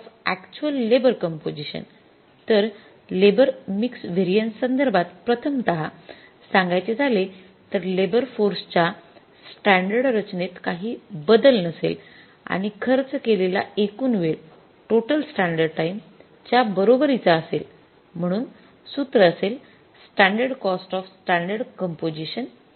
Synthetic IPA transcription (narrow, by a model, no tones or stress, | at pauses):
fækt͡ɕuəlːebəɾkəmpod͡ʑiɕə̰n | t̪əɾ | lebəɾmiksʋeɾijənsənd̪əɾbʱat̪pɾət̪ʰəmt̪əɦa | sãŋɡajt͡ɕed͡zʱale | t̪əɾlebəɾfoɾst͡ɕa | sʈæɳɖəɽɾət͡ɕnet̪kaɦiːbəd̪əlnəsḛl | a̰ɽ̃ikʰəɾt͡səkelela̰ekuːnʋeɭ | ʈoʈəlsʈãɳɖəɖʈaim | t͡ɕjabəɾobəɾit͡saːsel | m̤əɽ̃uːn | sut̪ɾəːsel | sʈaɳɖəɾɖkɔsʈɔfsʈaɳɖəɾɽkəmpod͡ʑiɕən